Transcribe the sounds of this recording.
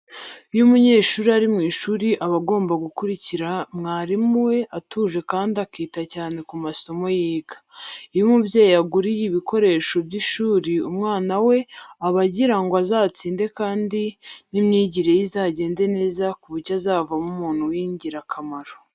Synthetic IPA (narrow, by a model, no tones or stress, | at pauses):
jumuɲe̞ːʃuːɾiaɾimŋiːʃuːɾiʔaβaɡo̞ːmbaɡukuɾiciɾamŋaːɾimwe̞ʔatʰuːʒe̞kaːndiakiːtacaːne̞kumaso̞mo̞jiːɡḁijumubjeːjijaɡuɾijiβikʰo̞ɾe̞ːʃo̞bɟiʃuːɾiumŋaːnawe̞aβaɟiɾaŋɡoazaːt͡siːnde̞kaːndinimɲiːɟiɾe̞jizaːɟe̞ːnde̞ne̞ːzakuβuɟazaːvamumuːn̥huwiːɲɟiɾakʰamaɾo̥